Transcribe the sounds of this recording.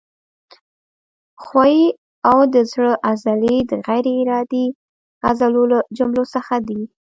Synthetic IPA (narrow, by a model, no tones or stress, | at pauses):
xwai | awd̪əzɽəʔazaled̪əɣajɾeːɾɑd̪i | azalolad͡ʒʊmlosəxad̪i